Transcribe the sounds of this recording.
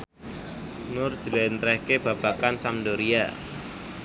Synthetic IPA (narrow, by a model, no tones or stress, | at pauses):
nʊrd̥d͡ʒ̥əlɛnt̪ɾɛhkeb̥a̤b̥akansamdoɾia̰